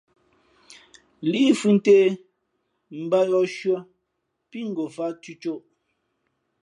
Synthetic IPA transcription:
li˦fʉ˦n̩˦teː˦ | m̩˨ba˦jɔ˦ʃɥɔ˦ | pi˦ŋ̩˨ɡo˨fa˦tu˦t͡ʃo˦˨ʔ

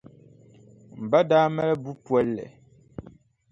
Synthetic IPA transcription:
m̩˨ba˦daː˦mɛ˦lɛ˦bu˦pwɛ˦lːɛ̰˨

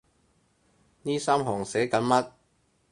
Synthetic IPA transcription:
niː˥saː˥mɦɔː˨˩ŋsɛː˨˥kɐ˨˥nmɐ˥t̚

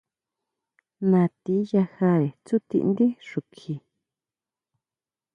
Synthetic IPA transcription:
nã˨˧t̪i˦ja˧xa˧˦ɾe˨t͡su˦t̪ḭ˧ʔnd̪i˦ʂu˨kʰi˧

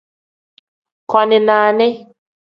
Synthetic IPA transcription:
kɔ˨nɪ˨naː˨nɪ˦

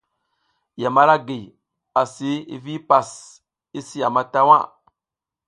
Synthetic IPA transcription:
ja˨ma˦ɾa˦ɡe˨ | a˨si˨˦ḭ˦vi˦pa˨s | i˦si˦ja˨ma˦ta˦wa̰˦

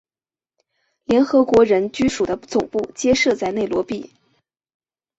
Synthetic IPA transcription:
ljɛ˧˥nxɤ˧˥kwɔ˧˥ɻə˧˥nt͡ɕy˥ʂu˨˩d̪ə˦t͡sʊ˨˩ŋpu˥˩t͡ɕjɛ˥ʂɤ˥˧t͡sa˥˧ɪne˥˩ɪlwɔ˧˥pi˥˩

